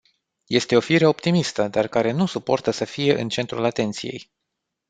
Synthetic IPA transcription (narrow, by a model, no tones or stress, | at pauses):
je̞st̪e̞o̞fiɾe̞o̞pt̪imist̪əd̪arkaɾe̞nusupo̞rt̪əsəfije̞ʔɨnt͡ʃe̞nt̪ɾulat̪e̞nt̪sije̞̰j